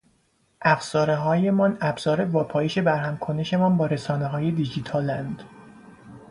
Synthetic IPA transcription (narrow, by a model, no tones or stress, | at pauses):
ʔæfz̥ɒːɾeɦɒːje̞mɒnæbz̥ɒːɾe̞vɒːpʰɒːjeʃe̞bæɾɦæmkʰo̞ne̞ʃe̞mɒnbɒːɾe̞sɒːneɦɒːje̞d̪id͡ʒit̪ʰɒːlænd̪